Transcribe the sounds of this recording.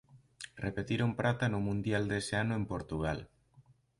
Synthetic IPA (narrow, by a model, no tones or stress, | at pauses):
repet̪iɾompɾat̪anʊmũnd̪jald̪eseanoempoɾt̪uɣ̞al